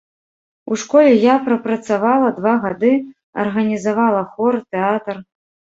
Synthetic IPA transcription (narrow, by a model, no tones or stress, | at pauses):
uʂkɔlʲɛjapɾɐpɾɐt̪savalˠɐd̪vaɣad̪ɨ | ɐ̰rɣɐnʲizavalˠɐxɔrt̪ɛat̪r